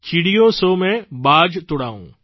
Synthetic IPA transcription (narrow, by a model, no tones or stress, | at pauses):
t͡ʃiɽijõsomẽbaːd͡ʒt̪ʊɽaːṵ̃ː